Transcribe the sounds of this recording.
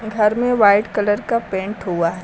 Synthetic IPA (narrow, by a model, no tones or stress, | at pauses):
ɡʱɐɾmẽʋaːɪɖkɐləɾkapẽːɳʈɦuaɦɛ